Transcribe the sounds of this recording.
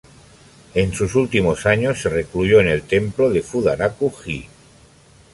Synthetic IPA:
e̞nsusult̪imosaɲosːe̞reklujoene̞lt̪e̞mploðe̞fuðaɾakuxi

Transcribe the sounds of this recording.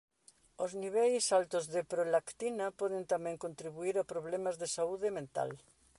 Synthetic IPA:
ozniβ̞ɛjsalt̪ozðepɾolakt̪inɐpɔðɪ̃nt̪amɛ̃ŋkont̪ɾiβuiɾapɾoβlɛmɐzðesauðemẽnt̪a̰l

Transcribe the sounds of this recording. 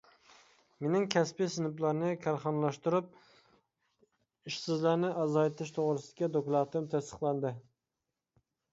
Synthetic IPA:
menɪŋkʲʰɛspisɨnɨplˠɑɾnɨkʲʰæɾχɑnlˠɑʃt̪uɾup̚ | iʃsɪzlæɾnɪʔɑzɑjt̪ʰɪʃt̪ʰoʁɾɨsɨd̪ɪkʲid̪oklˠɑt̪ɨmt̪ʰɛst̪ə̥χlˠɑnd̪ɨ

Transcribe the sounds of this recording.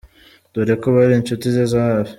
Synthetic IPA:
d̪̥uɾekoβaɾint͡ʃutizezaβ

